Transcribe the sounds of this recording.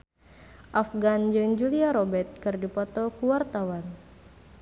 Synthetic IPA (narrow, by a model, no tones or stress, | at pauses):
ʔafɡand͡ʒɨŋd͡ʒuliaɾɔbɛt̪̚kɨrdipɔt̪ɔkuwart̪awan